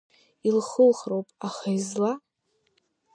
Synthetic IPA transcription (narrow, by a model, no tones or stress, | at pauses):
ilχəlχrowpʼaχajzla